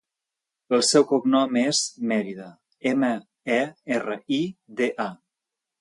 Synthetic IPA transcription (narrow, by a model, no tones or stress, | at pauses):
əlˠsɛwkuknɔmezmɛɾiðə | emə | ɛerəid̪eʔa